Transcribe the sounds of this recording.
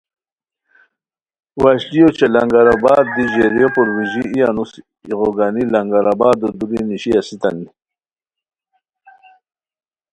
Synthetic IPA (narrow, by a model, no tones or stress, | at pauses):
waɕlijot͡ɕalaŋɡaɾabaːd̪ːiʑeɾijopuɾwiʑiijanus | iʁoɡanilaŋɡaɾabaːd̪od̪uɾiniɕiasit̪ani